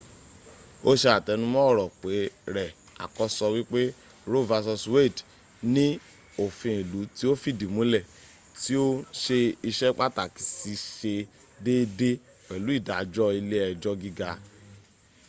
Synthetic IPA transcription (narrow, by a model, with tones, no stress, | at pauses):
o˦ʃe˧a˨tɛ˨˧nũ˦mɔ̃˦˨ɾɔ˨k͡pe˨˦ɾɛ˨ | a̰˨kɔ˧˦sɔ˧wi˦k͡pe˦ | ɾo˦˨va˧sɔ˧swe˦˨d | nĩ˦ | o˨fĩ˧i˨lu˨˦ti˦o˦fi˦˨di˨mũ˨˦lɛ˦˨ | ti˦o˦ʃe˧i˧ʃɛ˦k͡pa˦˨ta˨ki̥˨si˧ʃe˧ | de˦de˦ | k͡pɛ˨lu˨˦i˦˨da˨˧d͡ʒɔ˦i˧le˦ɛ˧d͡ʒɔ˦ɡi˦ɡa˧